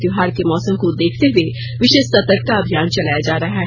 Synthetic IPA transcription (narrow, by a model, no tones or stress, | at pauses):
d̪jʊɦaːɾkemɔːsəmkod̪eːkʰt̪eɦʊe | ʋɪʃeːʃsɐt̪əɾk̚kaɐbʱijaːnt͡ʃɐlaːjad͡ʒaːɾaɦɛː